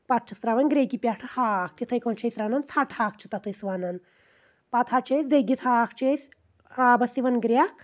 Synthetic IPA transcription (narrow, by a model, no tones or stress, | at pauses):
pat̪̚ʰt͡ʃʰɐsɾaːʋɐnɡɾekipʲjaʈʰɐhaːk̚ʰt̪it̪ʰɐjkõːnt͡ʃʰɐjsɾaːnɐnt͡sʰaːʈʰhaːk̚t͡ʃʰit̪ɐt̪ʰɨsʋaːnɐn | pat̪ʰhat͡ʃʰed͡zejɡit̪ʰakʰt͡ʃesʲ | aːbɐsiʋɐnɡɾʲjakʰ